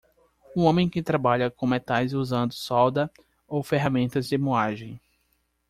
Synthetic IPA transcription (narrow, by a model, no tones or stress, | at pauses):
ũõmẽj̃kɪt̪ɾabaʎɐkõmet̪ajzuzɐ̃nd̪ʊsɔwd̪ɐ | owfeɦamẽnt̪ɐzd͡ʒɪmoaʒẽj̃